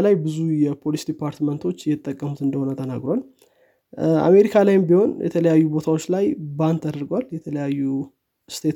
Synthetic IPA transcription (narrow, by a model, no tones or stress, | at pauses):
lajbɨzujɛpʰo̞lisd̪ipʰaɾt̪mənt̪ʰo̞t͡ʃːjɛt̪ʼːəkʼːəmut̪ɨnd̪əho̞nət̪ʰənaɡɾoal | a̰me̞ɾikʰalajɪmbiho̞njɛ̰t̪ʰələjajːubo̞t̪ʰawo̞t͡ʃːlajbant̪ʰːad̪əɾɡwaljɛt̪ʰələjajːu | st̪ʰet̪